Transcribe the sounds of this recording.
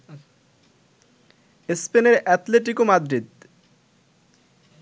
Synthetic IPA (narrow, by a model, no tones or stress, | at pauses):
espeneɾɛt̪leʈ̬ikomad̪ɾid̪